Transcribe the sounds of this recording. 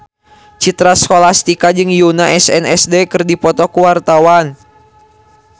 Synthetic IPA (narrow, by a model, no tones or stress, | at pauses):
t͡ʃit̪ɾaskolast̪ikad͡ʒɨŋjunaʔɛsɛnɛsdɛkɨrdipɔt̪ɔkuwart̪awan